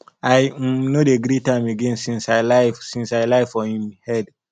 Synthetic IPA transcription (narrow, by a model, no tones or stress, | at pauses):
aɪnodeɡɾitãɪ̃meɡẽnsĩnsaɪlaɪfsĩnsaɪlaɪfɔhĩmhɛd